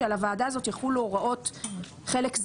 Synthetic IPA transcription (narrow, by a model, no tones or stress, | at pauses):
alavaːdaːzo̞t̪jaχuloʁaʔo̞t | χe̞lekz